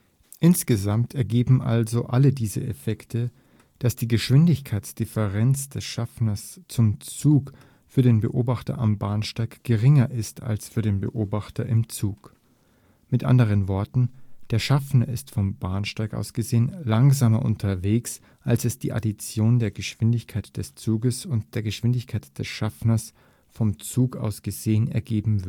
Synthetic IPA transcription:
ʔɪnsɡ̥əzamtʰɛɐɡeːbm̩ʔa̰lzoʔalədiːzə̰ʔefɛktʰə | d̥asd̥iːɡəʃv̥ɪndɪçkʰaɪt͡sd̥ɪfəʁɛnt͡sd̥ɛsʃafnɐst͡sʊmt͡suːk | fyːɐɾeːnbə̰ʔoːbaχtɐ̰ʔambaɐnʃtaɪkɡ̥əʁɪŋɐʔɪstʰa̰lsfyːɐɾeːnbə̰ʔoːbaχtʰɐʔɪmt͡suːk | mɪtʔa̰ndəʁ̞ənvɔɐtn̩d̥eːɐʃafnɐɪstfɔmbaɐnʃtaɪkʔa̰ʊsɡ̥əzeːənlaŋzaːmɐ̰ʔʊ̰ntʰɐveːks | ʔalsɛsd̥ḭːʔa̰dit͡sjoːndeːɐɡəʃv̥ɪndɪçkʰaɪtd̥ɛst͡suːɡəsʊnt̚d̥eːɐɡəʃv̥ɪndɪçkʰaɪtd̥ɛsʃafnɐs | fɔmt͡suːkʔa̰ʊsɡ̥əzeːənɛ̰ɐɡeːbm̩vɪɐ

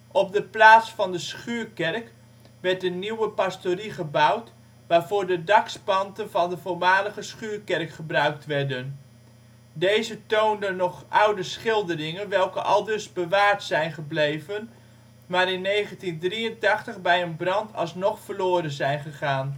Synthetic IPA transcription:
ʔɔb̚dəplaːtsfɑndəsχyːɹkɛrk | ʋɛɹtdəniwəpastoriχəbʌwt | ʋaːɹv̥ʊːɹdədɑkspɑntənvɑndəvoːɹmaːləɣəsχyːɹkɛrkχəbrœɥk̚tʋɛɹdən | dejzətowndənɔχʔʌwdəsχɪlˠdərɪŋənʋɛlˠkəʔɑlˠdɵzbəʋaːɹtsɛjnχəblejvən | maːɾɪnːejχəntindriəntɑχtəχbɛjənbrɑntʰɑ̰lˠsnɔχfəɹloːɾənzɛjnχəχaːn

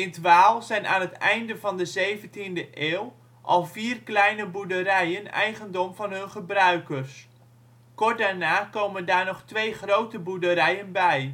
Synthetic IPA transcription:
ɪntʋaːlˠzɛjna̰ːnɦətɛjndəvɑndəzejvəntindəʔeːw | ʔɑ̰lˠviːrklɛjnəbudəɾɛjənɛ̰jχəndɔmvɑnɦɵnχəbrœɥkərs | kɔrt̚daːɹnaːkowməndaːɹnɔχtʋejχrowtəbudəɾɛjənbɛj

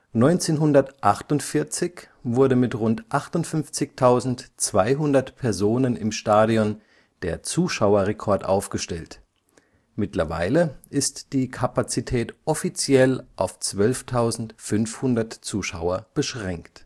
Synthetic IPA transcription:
nɔʏnt͡seːnɦʊndɐtʔaχtʊntfɪɐt͡sɪç | v̥ʊɐdəmɪtʁʊntʔaχtʊntfʏnft͡sɪçtʰaʊzn̩tt͡sv̥aɪɦʊndɐtpʰɛɐzoːnənɪmʃtaːɾiɔn | d̥eːɐt͡suːʃaʊɐʁɛkʰɔɐtʔa̰ʊfɡ̥əʃtɛlt | mɪtlɐva̰ɪləʔɪstd̥iːkʰapat͡sitʰɛːtʔɔfit͡sjɛlʔaʊft͡sv̥œlftʰaʊzn̩tfʏnfhʊndɐtt͡suːʃa̰ʊɐb̥əʃʁ̥ɛŋkt

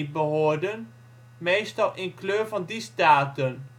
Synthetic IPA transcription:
bəɦoːɹdən | mejstɑlˠʔɪnkløːɹvɑndistaːtən

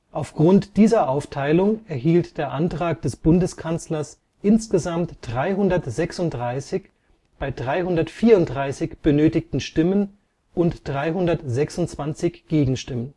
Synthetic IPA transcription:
ʔaʊfɡ̥ʁʊntd̥iːzɐʔaʊftʰaɪlʊŋɛɐɦiːltd̥eːɐʔantʁ̥aːkd̥ɛsb̥ʊndəskʰant͡slɐs | ʔɪnsɡ̥əzamtd̥ʁaɪɦʊndɐtz̥ɛksʊntd̥ʁaɪsɪç | b̥aɪdʁaɪhʊndɐtfiːɐʊntd̥ʁaɪsɪçb̥ənøːtɪktn̩ʃtɪmən | ʔʊntd̥ʁaɪɦʊndɐtz̥ɛksʊnt͡sv̥ant͡sɪçɡ̥eːɡŋ̩ʃtɪmən

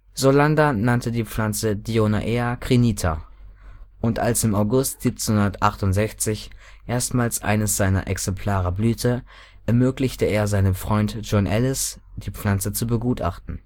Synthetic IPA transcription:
zolandanantədiːp͡flant͡sədioːna̰ʔeakʁ̥iniːtʰa̰ | ʔʊntʔa̰lsɪmaʊɡʊstz̥iːp̚t͡senhʊndɐtʔaχtʊntz̥ɛçt͡sɪç | ʔeːɐstmaːlsʔa̰ɪnəsz̥aɪnɐ̰ʔɛ̰ksɛmpʰl̥aːʁəblyːtʰə | ʔɛɐmøːklɪçtəeːɐzaɪnəmfʁ̥ɔʏntʒ̥ɔnʔɛlɪsd̥iːp͡flant͡sət͡subəɡuːtʔa̰χtn̩

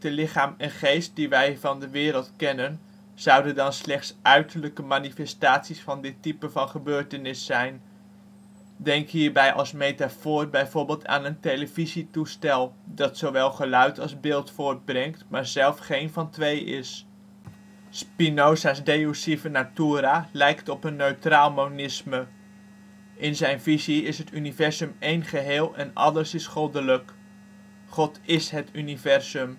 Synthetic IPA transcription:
təlɪχaːmɛnχejst̚diʋɛjvɑndəʋɪːɾəlˠtkɛnən | z̥ɑwdəndɑnslɛχtsʔœɥtəɹləkəmanifɛstaːtsisfɑndɪtːipəvɑnχəbøːɹtənɪsːɛjn | dɛŋkɦiːɹbɛjʔɑ̰lˠsmejtafoːrbɛjvoːɹbɪːlˠtʰa̰ːnəntejləvizitustɛlˠdɑtsowʋɛlˠχəlœɥtʰɑlˠzbɪːlˠtfʊːɹd̚brɛŋktmaːɹzɛlˠfχejnvɑntʋejɪ̰s | spinosasdejusivənatuːɾalɛjktɔpənːøɥtraːlˠmownɪsmə | ʔɪnzɛjnviziɪsɦətynivɛrzəmejnχəɦeːlˠɛnɑ̰dəɹsɪsχolˠdələk | χɔtɪsɦətynivɛrzɵm

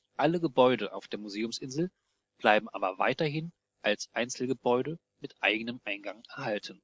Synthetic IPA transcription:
ʔaləɡəbɔʏɾəʔa̰ʊfd̥eːɐmuzeːʊmsʔɪnzl̩ | b̥laɪbm̩ʔa̰ːbɐva̰ɪtɐɦɪn | ʔalsʔaɪnt͡sl̩ɡəbɔʏɾə | mɪtʔa̰ɪɡənəmʔaɪnɡaŋʔɛɐhaltn̩

